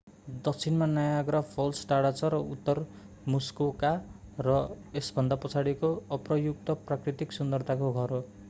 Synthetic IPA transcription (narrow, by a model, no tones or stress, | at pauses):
d̪ʌk̚t͡sʰinmanʌjaɡɾʌpʰolsʈaɽat͡sʰʌɾʌut̪ːʌr | muskokarʌ | esbʱʌnd̪apʌt͡sʰaɽikoʌprʌjuk̚t̪ʌprakrit̪iksund̪ʌrt̪ʰakoɡʱʌɾo